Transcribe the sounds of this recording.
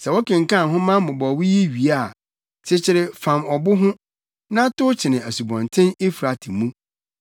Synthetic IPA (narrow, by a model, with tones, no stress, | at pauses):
sɛ˨wɔ˦kɪ̃˨ŋ̩˨kã˦˨ɦʊ̃˦mã˦mʊ̃˨bɔ˨wi˦ji˦ɥi˨a˦˨ | t͡ɕʰɪ˦t͡ɕʰɪ˦ɾɪ˦fã˨mɔ˨bʊ˦ɦʊ̃˦ | nã˦tʊ˦t͡ɕʰɪ˨nɪ̃˨æ˨su˨bɔ̃˨ntʰɪ̃˦ne˦fɾa˨tʰɪ˨mũ˦